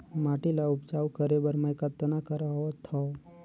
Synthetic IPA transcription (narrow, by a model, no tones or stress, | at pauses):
maʈilaʊpt͡ʃaːwkəɾebəɾmajkat̪ːənakəɾaot̪ʰɔ